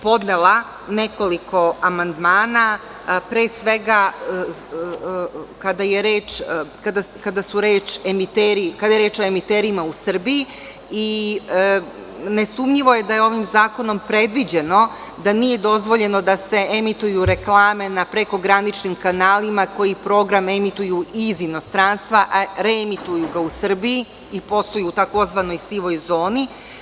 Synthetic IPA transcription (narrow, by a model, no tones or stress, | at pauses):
po̞d̪nelˠa | ne̞ko̞liko̞amand̪maːna | pɾeːsʋe̞ɡa | kad̪ajeɾeːt͡ʂkad̪akad̪asuɾeːt͡ʃemit̪eːɾikad̪ajeɾeːt͡ʃo̞e̞mit̪eːɾimausr̩biji | i | ne̞sumɲiʋo̞je̞d̪ajeo̞ʋimzaːko̞no̞mpɾe̞d̪ʋid͡ʑe̞no̞ | d̪anije̞d̪o̞zʋo̞ʎe̞no̞d̪ase̞emit̪ujuɾe̞klˠaːme̞napɾe̞ko̞ɡɾanit͡ʃnimkanaːlimako̞jipɾo̞ɡɾamemit̪ujuʔizino̞st̪ɾaːnst̪ʋaʔaɾemit̪ujuɡausr̩bii | ipo̞st̪ojuːt̪ako̞zʋano̞jsiʋo̞jzo̞ːni